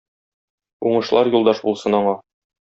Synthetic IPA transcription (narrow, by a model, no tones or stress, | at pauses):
uɴɤ̆ʃlˠɑɾjulˠd̪ɑʃbulˠsɤnɒɴɑ